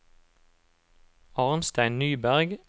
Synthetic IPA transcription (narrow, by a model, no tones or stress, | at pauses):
ɑːʁnst̪æɪnnyːbæʁɡ